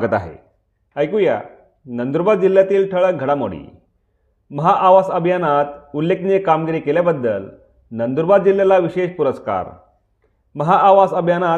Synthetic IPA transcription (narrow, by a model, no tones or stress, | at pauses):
ɡət̪aɦḛ | əjkuja̰ | nənd̪uɾbad̪̚d͡ʑilːjat̪iːlʈʰəɭəɡʱəɽamo̰ɽḭː | məɦaʔaʋasəbʱjanat̪ulːekniekamɡiɾiːkeljabəd̪ːəl | nənd̪uɾbad̪̚d͡ʑilːjalaʋiɕeɕpuɾəska̰ɾ | məɦaʔaʋasəbʱjana